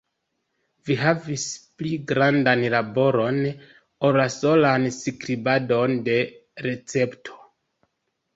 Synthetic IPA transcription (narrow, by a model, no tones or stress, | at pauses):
viɦavispliɡɾandanlabo̞ɾo̞n | oɾlaso̞lansikɾibado̞nde̞ɾe̞t͡se̞ptʰo̥